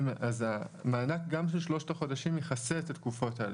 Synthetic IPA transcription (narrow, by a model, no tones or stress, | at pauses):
mazamaːnak̚ɡamʃelʃlo̞ʃtaχo̞daʃimjeχaset̪atkufo̞ta